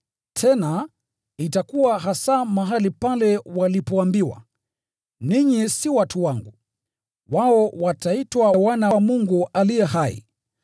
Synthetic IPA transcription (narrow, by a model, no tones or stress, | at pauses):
tʰɛna | itakuwaɦasamaɦalipalɛwalipɔambiwa̰ | niɲisiwatuwaŋɡu | waɔwataitwawanamuŋɡuʔalijɛɦaḭ